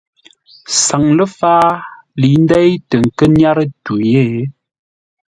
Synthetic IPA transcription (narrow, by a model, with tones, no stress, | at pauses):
sa˨ŋlə˦faː˦ | li˨˦n˦dɛ˦jtə˨ŋ̩˨kə˦nja˦ɾə˦tu˨je˦˨˦